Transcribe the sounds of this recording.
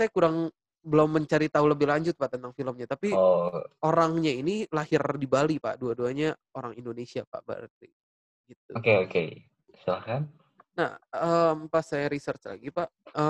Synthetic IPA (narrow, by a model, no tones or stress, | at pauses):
sajakuɾaŋ | bəlomːəɲt͡ʃaɾit̪auləbɪhlaɲd͡ʒʊt̪̚paʔt̪ənt̪aŋfiləmɲat̪apiooɾaŋɲainilahɪrdibalipa̰ʔduaduaɲa | oɾaŋindonesiapa̰ʔbə̰rt̪ḭ | ɡit̪̚ukeokḛ | sulahkan | na̰həmpasajaɾisərt͡ʃla̰ɡipaʔə